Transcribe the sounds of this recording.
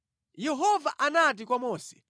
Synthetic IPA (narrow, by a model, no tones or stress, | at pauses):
jɛɦɔvaʔanat̬ikwamɔːsɛ̥